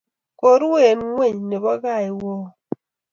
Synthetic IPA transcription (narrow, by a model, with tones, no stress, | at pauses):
ko˨˦ɾwe˦˨n˦ŋwe˦˨ɲne˨bɔ˦ɣa˦˨i˨wɔ˦